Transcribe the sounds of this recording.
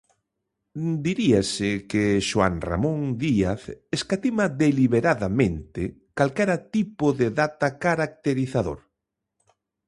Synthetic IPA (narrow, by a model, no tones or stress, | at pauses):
d̪iɾiasɪkeʃowa̰nra̰mõŋd̪iaθeskat̪imaðeliβeɾaðamẽnt̪ɪ | kalkeɾat̪ipoðeðat̪akaɾak̚t̪eɾiθaðo̰ɾ